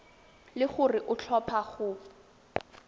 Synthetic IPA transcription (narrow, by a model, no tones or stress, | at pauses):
lɪχʊrɪʔʊt͡ɬʰɔpʰaχʊ